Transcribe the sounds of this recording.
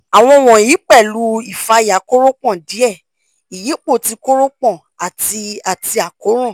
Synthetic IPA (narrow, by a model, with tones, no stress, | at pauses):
a˨w̃ɔ̃˧w̃ɔ̃˨ji˨˦k͡pɛ˦˨lu˧˦i˨fa˧˦ja˨˦ko˦ɾo˦k͡pɔ̃˦˨di˨˦ɛ˦˨ | i˨ji˨˦k͡po˦˨ti˨˧ko˦ɾo˦k͡pɔ̃˦˨ | a˨ti˧a˨ti˧a˨ko˨˦ɾ̃ɔ̃˦˨